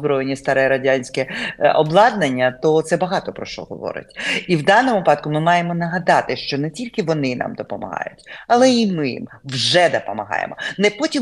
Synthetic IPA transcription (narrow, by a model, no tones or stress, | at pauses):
bɾɔjenʲːist̪ɐɾɛɾɐdʲanʲsʲkɛɔblˠɑd̪nenʲːɐt̪ɔt̪sɛbɐɦɑt̪ɔpɾɔʃt͡ʃɔ̰ɦɔ̰ʋɔ̰ɾɪ̰tʲiwd̪ɑnɔmʊpɑd̪̚kʊmɪmɑjemɔnɐɦɐd̪ɑt̪ɪʃt͡ʃɔnɛtʲilʲkɪʋɔnɪnɑ̰md̪ɔpɔmɐ̰ɦɑ̰jʊtʲɐlˠɛimɪjḭm | wʒɛd̪ɔpɔmɐɦɑ̰jḛmɔnɛpɔtʲim